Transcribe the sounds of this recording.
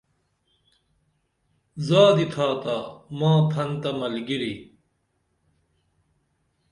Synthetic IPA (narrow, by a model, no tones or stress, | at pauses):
zaːd̪it̪ʰaːt̪aːmãːpʰɐnt̪ɐmɐlɡiɾi